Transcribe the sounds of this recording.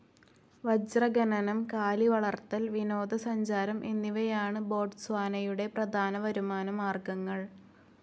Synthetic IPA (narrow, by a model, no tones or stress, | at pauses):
ʋɐd͡ʑrɐɡɐnɐnɐmkaːliʋɐɭɐrt̪ːɐlʋino̞ːd̪ɐsɐɲd͡ʑaːɾɐmʔe̞nːiʋɐjaːɳɨbo̞ːrɖsʋaːnɐjuɽe̞prɐd̪ʱaːnɐʋɐɾumaːnɐmaːrɡɐŋːɐɭ